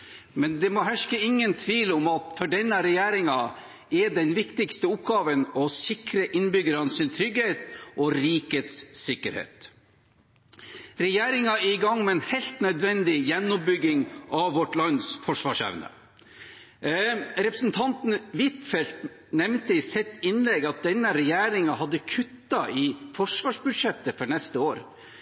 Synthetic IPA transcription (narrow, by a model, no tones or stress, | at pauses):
mɛnd̪ɛmɔɦæʂkəɪŋːənt̪ʰʋiːlɔmɑt̪fɔɖɛnːəɾɛjæːɾɪŋɑ | ɛd̪ɛnʋɪkt̪ɪkst̪əʊp̚ɡɑːʋənɔsɪkɾəʔɪnbʏɡəɾɑnsɪnt̪ʰɾʏɡheːt̪ʔɔɾiːkət̪sːɪkəɾhḛːt̪ | ɾɛjeːɾɪŋɑɛɪɡɑŋːmɛɛnhɛɪlt̪nœd̪ʋɛnd̪ɪjɛnːʊp̚bʏɡɪŋʔɑʋːɔʈlɑnsfɔʂʋɑːʂɛ̰ʋnə̰ | ɾɛpɾəsn̩t̪ʰɑnt̪n̩ʋɪt̪fɛlt̪ | nɛmnt̪əɪsɛt̪ːɪnlɛɡɑt̪̚d̪ɛnːəɾɛjæːɾɪŋɑhɑd̪ːəkʰʉt̪ːɑʔɪfɔʂʋɑːʂbʉʂɛt̪ːəfɔɳɛst̪əoːɾ